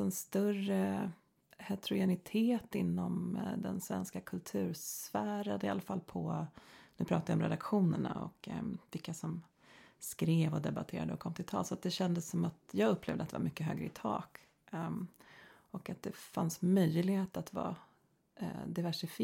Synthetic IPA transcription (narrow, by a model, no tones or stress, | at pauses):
ɛnst̪ɵrə | hɛt̪ʰɾʊjɛnɪt̪ʰeːt̪ɪnːɔmd̪ɛ̰nsvɛ̰nskakʰɵlt̪ʰʉ̟ːɾsfæːɾad̪əɪalafalːpʰɔnʉ̟ːpʰɾɑːt̪avɪɔmɾɛ̰d̪akɧuːnəɳa̰ɔ̰kvɪkːasɔm | skɾeːvɔd̪ɛba̰t̪ʰeːɾa̰d̪əɔkʰɔmːt̪ʰɪlt̪ʰɑ̰ːlsɔat̪̚d̪ɛɕɛnd̪əsːɔmat̪jɑːɡɵpːlḛːvd̪əat̪d̪ɛ̰va̰mʏkːəɦø̰ːɡɾəɪt̪ʰɑ̰ːk | ɔkat̪̚d̪ɛfansmœjlɪɡhheːt̪at̪vɑ̰ː | d̪ɪvæʂɪf